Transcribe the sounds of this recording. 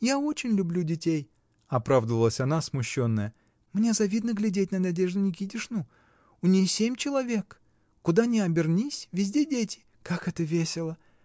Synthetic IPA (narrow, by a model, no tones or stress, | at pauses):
jao̞t͡ɕɪnʲlʲʊblʲudʲɪtʲej | ɐpɾavd̪əvəlˠəsʲɐnasmʊɕːo̞nːəjə | mnʲezɐvʲid̪nəɡlʲɪdʲet̚ʲnənʲadʲe̞ʐd̪ʊnʲɪɡʲidʲɪʂnu | ʊnʲijsʲemʲt͡ɕɪlˠɐvʲe̞kː | ʊd̪anʲɪɐbʲɪrnʲisʲvʲɪzʲdʲedʲetʲɪ̥ | kakɛt̪əvʲesʲɪlˠə